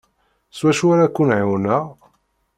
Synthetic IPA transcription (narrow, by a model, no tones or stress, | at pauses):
swæʃuaɾakʷːunʕiwnæ